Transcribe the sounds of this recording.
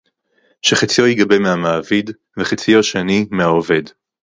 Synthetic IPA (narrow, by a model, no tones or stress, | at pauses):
ʃeχat͡sijo̞jiɡabemeamaːvid | veχet͡sijo̞ʃeanimeaove̞d